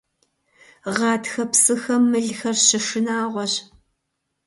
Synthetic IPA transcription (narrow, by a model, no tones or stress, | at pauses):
ʁɑːtxɐpsɨxɐmːɨɮxɐrɕɪʂɨnaːʁʷɔɕ